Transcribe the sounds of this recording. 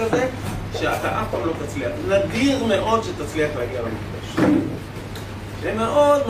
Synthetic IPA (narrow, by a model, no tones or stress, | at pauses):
azeʃeat̪aʔakomlo̞t̪at͡sliaχnadiʁmeʔo̞d̪ʃet̪at͡sliaχleaɡiabemḭfda̰ʃ | emeʔo̞d̪m